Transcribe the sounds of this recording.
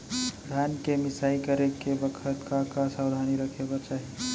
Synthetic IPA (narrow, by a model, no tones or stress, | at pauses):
ɾʱankemɪsaikəɾekebəkʰət̪kakasawd̪ʱaniɾəkʰeɡat͡ʃaɦi